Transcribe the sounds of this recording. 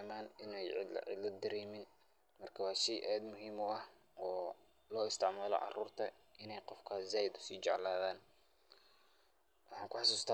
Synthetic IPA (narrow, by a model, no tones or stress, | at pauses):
maːnɪnɛjʕɪ̰ʕɪ̰lɐd̪ɐɾɛːmɪn | mɐrkʰɐwɑːsiʔɛːd̪mʊɦiːmʊɐh | ɔː | lɔːɪst̪ʰɪʕmaːlɔ̰ʕɑ̰ruːrt̪ʰɐ | ʔɪnɛjqɔfkʰɐzaːjɪd̪ʊ̥siːt͡ʃɑʕlaːðaːn | wʔɑħɑːŋkʰʊħɑsuːst̪ʰa